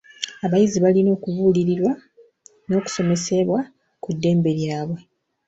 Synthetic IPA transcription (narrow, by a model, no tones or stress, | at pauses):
aβajiziβalino̞ːkuvuːliɾiɾwa | no̞ːku̥so̞me̞se̞βwa | kudːe̞ːmbe̞ljaːβwe̞